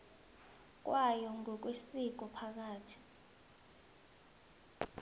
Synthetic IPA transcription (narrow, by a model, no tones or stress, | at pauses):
k̬ʼwajɔŋɡʱɔk̬wesik̬ɔpʰak̬aːtʰi̥